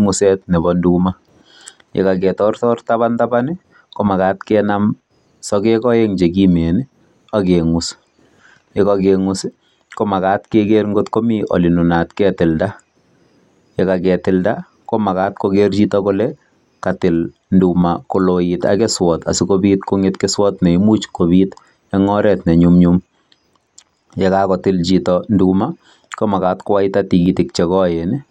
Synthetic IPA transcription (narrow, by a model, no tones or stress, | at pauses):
ŋʊsɛt̚nɛbɔnduma | jḛkakɛtɔrtɔrtaβantabanɪ | komakaːtkɛnam | sɔkɛkɔjeŋd͡ʒek̬imenɪ | akeŋʊs | jekakeŋʊs | komakatkekeɾŋɡotkomiʔɔ̰lɪnunatkɛtɪlda | jekakɛtɪlda | komakaːtkokeɾt͡ʃitɔkolɛ | katɪl | ndumakolojita̰kɛswɔta̰sikobiːtkoŋetkɛswɔtnɛimut͡ʃkobiːt | ɛŋɔɾɛtnɛɲumɲum | jekakɔtɪlt͡ʃitɔnduma | komakatkowaɪtatiɡitɪkt͡ʃɛkɔjenɛ